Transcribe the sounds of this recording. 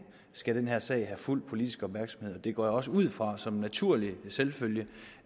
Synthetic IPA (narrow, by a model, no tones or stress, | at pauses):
sɡ̥æɾ̥enɦeɐ̰sɛ̰ɪɦæful̰d̥̚pʰo̝lid̥isɡ̥əɒ̽b̥mæɐɡ̥sɒmhe̝ð̞ˠɒd̥e̝ɡ̥ɒ̰ːjɒ̽s̬əuð̰ˠfʁɑ̈sɒ̽mnæt͡sʰuɐ̰liselføljə